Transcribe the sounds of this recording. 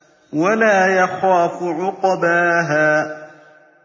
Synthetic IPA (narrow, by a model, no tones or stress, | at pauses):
walaːjaxaːfʊʕʊqɑbaːɦaː